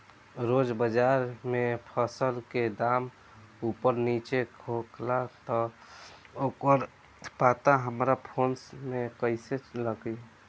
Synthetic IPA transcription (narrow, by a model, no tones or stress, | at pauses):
ɾod͡ʒbəd͡ʒaɾmepʰəsəlked̪am | upəɾnit͡ʃekʰoklat̪ɔ | okəɾ | pat̪aɦəmɾapʰonsmekəɪseləɡi